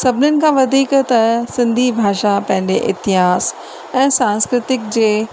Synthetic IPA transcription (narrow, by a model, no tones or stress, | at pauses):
sɐbʱɪnənɪ̆kʰãːʋɐd̪ʱiːkt̪ɐsɪ̃nd̪ʱibʱaːʃapɐ̃ɦɪ̃ɲd͡ʑeʔɪ̰t̪ɪɦaːs | ɛ̃ːsãːnskɾɪt̪ɪk̚d͡ʑeː